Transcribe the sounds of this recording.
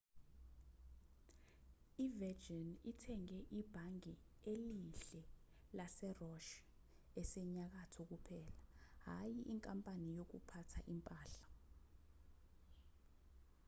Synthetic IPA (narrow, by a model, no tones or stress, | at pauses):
ivɛd͡ʒinitʰɛŋɛʔib̥ʱaŋi | eliɬɛ | lasɛrɔʃ | ɛsɛɲak̬atʰɔk̬upʰɛːlaɦajiʔiŋkʼampʼanijok̬ṵpʰatʰaʔimpʼaːɬḁ